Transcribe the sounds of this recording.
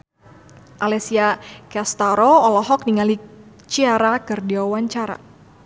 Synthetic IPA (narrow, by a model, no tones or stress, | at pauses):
ʔalɛsiakɛst̪aɾɔɔlɔɦɔk̚niŋali | t͡ʃiaɾakərdiawaɲt͡ʃaɾa̰